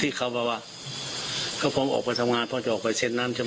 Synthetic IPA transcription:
t̪ʰiː˧˨kʰa˧˩wpa˧˩waː˧ | kʰa˧˩wpʰɔː˧˥mʔɔ̰ː˨˩k̚pa˧˦jsʰa˧mŋaː˧˨npʰɔː˧˨t͡ɕa˧ʔɔː˨˩k̚pa˧jse˧˩t̪̚na˧˥˨nt͡ɕa˧

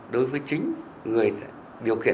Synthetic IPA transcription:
ɗo˨˦jvəː˨˦jt͡ɕï˨˦ŋ̟ | ŋɨ˨˩əj̰ | ɗi˨˩əwkḭ˧˨ə˨

